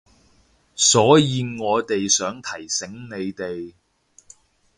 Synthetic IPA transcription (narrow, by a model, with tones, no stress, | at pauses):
sɔː˨˥jiː˧ŋɔː˨˧t̪e˨jsœː˨˥ŋt̪ʰɐ˨˩jsɪ˨˥ŋne˨˧jt̪e˨j